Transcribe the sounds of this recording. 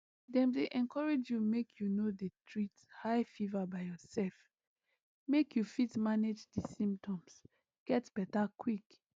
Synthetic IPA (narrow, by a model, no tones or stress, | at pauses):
dɛ̃mdeʔɛ̃nkɔɹed͡ʒjumekʰjunodətʰɹitshaɪfivabaɪjɔsɛlf | mekʰjufitmaned͡ʒdisĩmp̚tʰɔ̃ms | ɡ̥ɛtb̥ɛtakʰwik